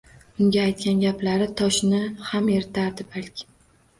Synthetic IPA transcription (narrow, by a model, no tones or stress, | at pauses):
ʊŋɡʲaːjt̪̚kʲanɡʲaplaɾɪt̪ʰɒʃnɪhame̞ɾɪt̪ʰaɾd̪ɪbalkʲʰɪ̥